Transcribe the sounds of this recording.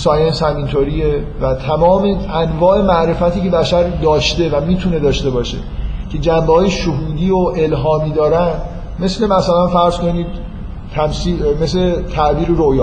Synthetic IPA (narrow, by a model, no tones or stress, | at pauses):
sɒːjenshæmint̪ʰoɾiːe | væt̪ʰæmɒːmeænvɒːʔe̞mæʔɾe̞fæt̪ʰiːcebæʃæɾd̪ɒːʃt̪e̞væmiːt̪ʰune̞d̪ɒːʃt̪e̞bɒːʃe̞̰cʰe̞d͡ʒæmbehɒːjeʃoɦuːd̪iːoʔe̞lɦɒːmiːd̪ɒːɾæn | me̞sle̞mæsælænfæɾz̥ko̞niːd̪̥̚ | t̪ʰæmsimeslet̪ʰæʔbiːɾeɾojɒː